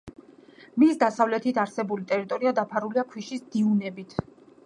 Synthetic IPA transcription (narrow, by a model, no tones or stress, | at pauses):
misd̪asavlɛt̪ʰit̪ʰaɾsɛbulit̪ʼɛɾit̪ʼɔɾiad̪apʰaɾuliakʰwiʃisd̪̥iunɛbit̪ʰ